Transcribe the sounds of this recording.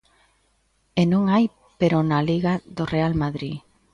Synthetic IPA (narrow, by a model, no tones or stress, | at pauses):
enõŋaj | peɾonaliɣaðorealmaðɾi